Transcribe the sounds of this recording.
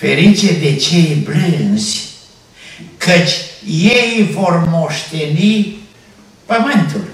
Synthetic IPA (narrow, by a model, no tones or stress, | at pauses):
feɾit͡ʃed̪et͡ʃejbɾɨnzʲ | kʰət͡ʃʲjejvormo̞ʃt̪eni | pəmɨnt̪ul